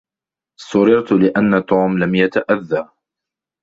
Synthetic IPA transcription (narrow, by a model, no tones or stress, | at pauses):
sʊɾɪɾt̪lɪʔanːat̪uːmlamjat̪aʔaðːaɾ